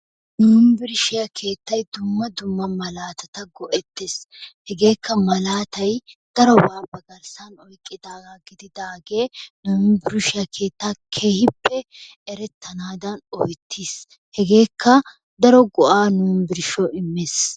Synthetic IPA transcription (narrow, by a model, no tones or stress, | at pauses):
nuːnbɪɾʃɪjakʰe̞ːt̪ːɐjd̪ʊmːɐd̪ʊmːɐmɐlaːt̪ɐt̪ɐɡɔʔɛt̪ːeshɛɡe̞ːkʰːɐmɐlaːt̪ɐjd̪̥ɐɾɔbaːbɐɡɐɾsɐnɔjkʼːɪd̪aːɡaɡɪd̪ɪd̪aːɡe̞ːnuːnbɪɾɪʃɪjakʰe̞ːt̪ːaːkʰeːhɪpːɛ | ɛɾɛt̪ːɐnaːd̪ɐnɔjt̪ʰːiːs | hɛɡe̞ːkʰːɐ | d̪ɐɾɔɡɔʔaːnuːnbɪɾʃɔɪmːeːs